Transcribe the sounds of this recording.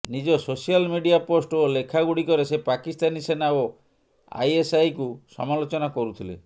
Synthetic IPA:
nid͡ʒɔsosialmiɖiaposʈolekʰaɡuɽikɔɾesepakist̪anisenao | a̰jesajkusɔ̰malot͡ʃɔnakɔɾut̪ʰilḛ

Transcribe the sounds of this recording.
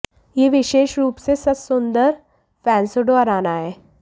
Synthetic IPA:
jeːʋɪʃeːʃɾuːpsesɐsʊnd̪əɾ | fɛ̃ːnsoɖoɐɾaːnaɦɛː

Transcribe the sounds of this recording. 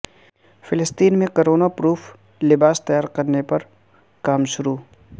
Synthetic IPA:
fɪlɪst̪iːnmẽkoɾoːnapɾuːf | lɪbaːst̪ɐjaːɾkɐɾnepɐɾ | kaːmʃʊɾuː

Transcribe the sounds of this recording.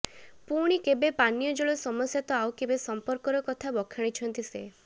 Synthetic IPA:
puɽ̃ikebepanjɔd͡ʒɔɭɔsɔmɔsjat̪ɔawkebesɔmpɔɾkɔɾɔkɔt̪ʰabɔkʰaɽ̃it͡ʃʰɔnt̪ise

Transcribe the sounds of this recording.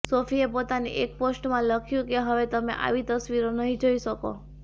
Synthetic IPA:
sofiepot̪anḛʔek̚posʈmãləkʰjũkeɦəʋet̪əmḛ̃ʔa̰ʋit̪əsʋiɾonəɦĩd͡ʒoiʃəko̰

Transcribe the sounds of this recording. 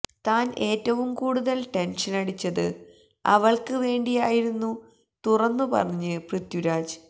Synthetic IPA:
t̪aːnʔe̞ːtːɐʋumkuːɽuðɐlʈe̞nʂɐnɐɽit͡ɕːɐðɨ̰ | ɐ̰ʋɐɭkɨʋe̞ːɳɖijaːjiɾunːu | t̪urɐnːɨpɐ̰rɐɲːɨprɨt̪juɾaːd͡ʑ

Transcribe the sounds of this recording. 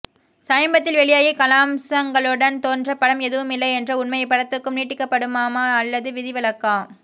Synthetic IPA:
sɐjɐmbɐt̪ːɪlʋɛɭɪjaːjikɐlaːmsɐŋɡɐɭɯɽɐnt̪oːndrɐpɐɽɐmɛðɯʋɯmɪlːɐɪɛndrɐʊnmɐjɐpːɐɽɐt̪ːɯkːɯmniːʈːɪkːɐpːɐɽɯmaːmaːɐlːɐðɯʋɪðɪʋɪɭɐkːaː

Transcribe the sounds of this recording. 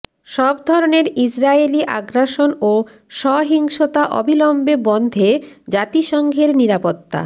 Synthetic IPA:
ʃɔbd̪ʱɔɾoneɾisɾaeliʔa̰ɡɾaʃono | ʃɔɦiŋʃot̪aʔɔ̰bʱilɔmbebɔnd̪ʱed͡ʑat̪iʃɔŋɡʱeɾniɾapot̪ːa̰

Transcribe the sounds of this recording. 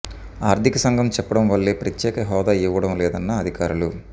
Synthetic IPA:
aːɾd̪ʱikɐsɐŋɡʱɐmt͡ʃɛpːɐɽɐmʋɐlːeːpɾɐt̪ːjɛːkɐɦɔːd̪aːiʋɐɽɐmlɛːd̪ɐnːɐːd̪ʱikaːɾulu

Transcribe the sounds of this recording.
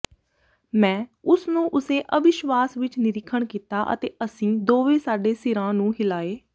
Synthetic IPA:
mɛ̃ːʊsnũːʔʊseːʔəʋɪʃʋaːsʋɪt͡ʃnɪɾɪkʰːəɳkiːt̪aːʔə̰t̪eːəsĩːd̪oːʋeːsaːɖeːsɪɾãːnũːɦɪlaːeː

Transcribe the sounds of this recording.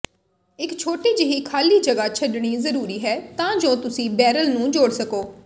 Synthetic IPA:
ɪkt͡ʃʰoːʈiːd͡ʒɪɦiːkʰaːliːd͡ʒəɡaːt͡ʃʰəɖɳ̃iːzəɾuːɾiːɦɛːt̪ãːd͡ʒõːt̪ʊsĩːbɛːɾəlnũːd͡ʒoːɽsəkoː

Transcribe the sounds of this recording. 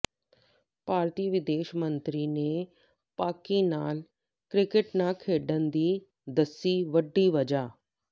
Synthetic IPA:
paːɾt̪iːʋɪd̪eːʃmə̃nt̪ɾiːne | paːkiːnaːl | kɾɪkɪʈnãːkʰeːɖənd̪iː | d̪əsːiːʋəɖːiːʋɐd͡ʒaː

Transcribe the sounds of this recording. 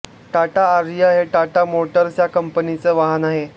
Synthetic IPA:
ʈaʈaːɾijəɦeʈaʈamoʈəɾsjakəmpənit͡səːʋaɦənaɦe

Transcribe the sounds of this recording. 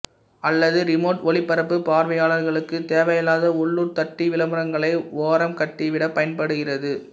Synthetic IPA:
ɐlːɐðɯɾɪmoːʈɔɭɪpːɐɾɐpːɯpaːɾʋɐjaːɭɐɾɣɐɭɯkːɯt̪eːʋɐjɐlaːðɐʊɭːuɾt̪ɐʈːiʋɪlɐmɯɾɐŋɡɐɭɐɪʋoːɾɐmkɐʈːɪʋɪɽɐpːɐjɐnpɐɽɯɣɪrɐðɯ

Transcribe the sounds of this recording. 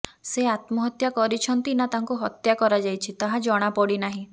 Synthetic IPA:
seat̪mɔɦɔt̪jakɔɾit͡ʃʰɔnt̪inat̪aŋkuɦɔt̪jakɔɾad͡ʒajt͡ʃʰit̪aɦad͡ʒɔɽ̃apɔɽinaɦĩ

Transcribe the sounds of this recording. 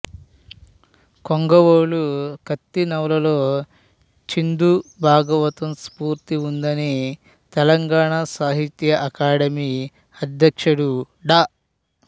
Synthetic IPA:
koŋɡɐʋoːlukɐt̪ːinɐwlɐloː | t͡ʃind̪ubʱaːɡɐʋɐt̪ɐmspuːɾt̪iund̪ɐni | t̪ɛlɐŋɡaːɳasaːɦit̪jɐʔɐkaːɽɐmiː | ɐd̪ʱjɐkʂɐɽu | ɖaː

